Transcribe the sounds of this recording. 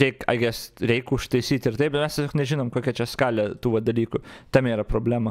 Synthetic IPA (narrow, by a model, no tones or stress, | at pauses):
ɾʲɛɪkɐ̰ɪɡʲɪɛsɾʲɛɪkʊʃt̪ɐɪsʲiːt̪ʲɪrt̪ɐɪpbʲɛmʲɛstʲesʲoːknʲɛʒʲɪnoːmkoːkʲɛt͡ʃʲɛskɑːlʲɛt̪uːʋɐd̪ɐlʲiːkʊt̪ɐmʲiːɾɐpɾoːbʲlʲæːmɐ